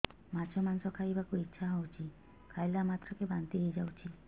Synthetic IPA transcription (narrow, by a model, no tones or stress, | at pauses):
mat͡ʃʰɔmansɔkʰajbakuitːʃʰaɦɔwt͡ʃʰi | kʰajlamat̪ɾɔkebant̪iɦejd͡ʒawt͡ʃʰi